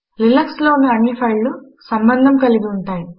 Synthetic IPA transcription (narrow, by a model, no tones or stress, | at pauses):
lilɐksloːunːɐɐnipʰɐjlːu | sɐmbɐnd̪ʱɐmkɐliɡiuɳʈaːji